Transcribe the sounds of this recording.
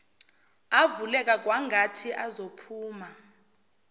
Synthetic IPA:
avulɛk̬ʼak̬ʼwaŋɡʱatʰiʔazopʰuːma

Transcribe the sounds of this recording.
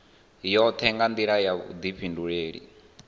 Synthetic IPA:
jɔt̪ʰɛŋɡand̪iɺajaβṵd̪iɸʰinduɺeːɺḭ

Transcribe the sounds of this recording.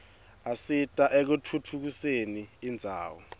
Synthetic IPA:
asitʼaʔɛk̬utʰutʰuk̬useniːnd͡zʱa̰ːwɔ̰

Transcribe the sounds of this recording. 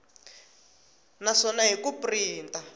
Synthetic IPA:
naʂɔnaɦikupriːnta

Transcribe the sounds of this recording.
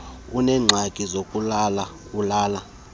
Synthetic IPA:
unɛːŋ͡ǀʱakʼizokʼulalaulaːla

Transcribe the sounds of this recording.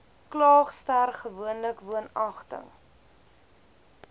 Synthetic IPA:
klɑːχstærχəvuənləkvuənɐχtə̰ŋ

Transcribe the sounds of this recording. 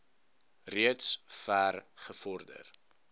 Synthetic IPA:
riətsfæːrχəfɔrdə̰r

